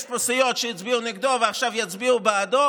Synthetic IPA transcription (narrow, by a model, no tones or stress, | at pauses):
st̚pɔsɪjɔtʃɛjɪt͡sbiunɪɡd̪ɔvaχʃavjat͡sbiubɪadɔ